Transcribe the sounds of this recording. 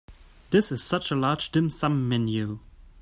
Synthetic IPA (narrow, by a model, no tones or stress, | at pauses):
ðɪsɨz̥sʌt͡ʃəlɑːd̥d͡ʒd̥ɪ̃msʌ̃mːɛ̃njʉ